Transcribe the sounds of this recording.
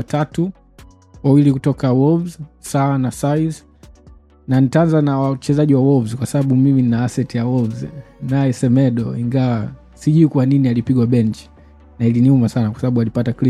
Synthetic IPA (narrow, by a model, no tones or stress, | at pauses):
atatu | wawilikutɔkawɔvzsawanasaiz | nanitaanzanawat͡ʃɛzaʄiwawɔvzkwasaɓaɓumimininaasɛtijawɔvznajɛsɛmɛɗɔiŋɡawa | siʄuikuwaninialipiɡwaɓɛɲt͡ʃi̥ | nailiniumasanakwasɓaɓualipatakli